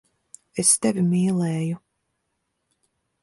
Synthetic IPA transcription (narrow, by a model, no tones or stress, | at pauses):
est̪ɛvʲimiːlˠɛːju